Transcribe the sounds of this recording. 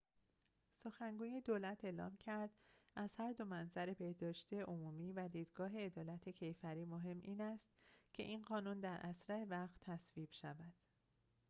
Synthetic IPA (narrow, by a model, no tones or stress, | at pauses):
so̞xæŋɡuːje̞d̪oːlæt̪ʰe̞ːlɒ̰ːmcʰæɾd̪̥ʔæz̥hæɾd̪o̞mænzæɾe̞be̞hd̪ɒːʃt̪ʰieʔomuːmiːvæd̪iːd̪ɡɒːɦe̞ːd̪ɒːlæt̪ʰe̞cʰe̞jfæɾiːmoɦe̞mːʔiːnæst̪cʰe̞̰ʔiːnɢɒːnund̪æɾʔæsɾæevæɣt̪ʰːæsviːb̥ʃævæd̪̥